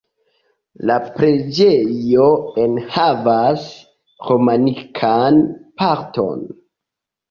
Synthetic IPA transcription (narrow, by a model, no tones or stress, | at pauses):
lapɾe̞d͡ʒejo̞enhavas | ɾomanikʰanpaɾto̞̰n